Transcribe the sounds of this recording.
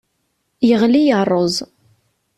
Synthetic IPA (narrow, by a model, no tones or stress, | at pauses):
jəʁlijərˤːozˤ